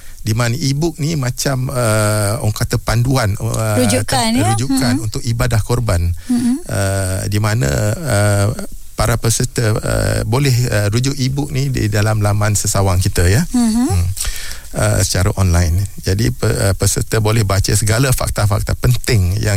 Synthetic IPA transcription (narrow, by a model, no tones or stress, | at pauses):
dimanəʔibʊk̚nimãt͡ʃaməɔ̰ŋkat̪əpanduan̰d͡ʒtaəɾud͡ʒukkanunt̪ʊk̚ibadahkɔrbanədimanə̰̃ə | paɾapəsət̪əə̰bolɛhəɾud͡ʒʊʔibʊk̚nidḭdalamlamansəsawaŋkit̪əja | ə̰sə̥t͡ʃaɾa̰ʔɔnlajnd͡ʒadipəəpəsə̰t̪əbolɛhbat͡ʃasəɡalafa̰k̚t̪afa̰k̚t̪apənt̪ɪŋja̰ŋ